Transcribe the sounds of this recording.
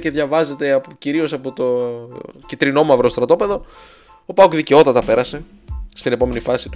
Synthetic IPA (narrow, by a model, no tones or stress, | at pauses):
ce̞ðʝɐvɐze̞t̪e̞ɐpciɾio̞sɐpo̞t̪o̞ | cit̪ɾino̞muɐvɾo̞st̪ɾɐt̪o̞pe̞ðo̞ | opɐokðice̞o̞t̪ɐt̪ɐpe̞ɾɐse̞ | st̪inepo̞me̞nifɐsit̪u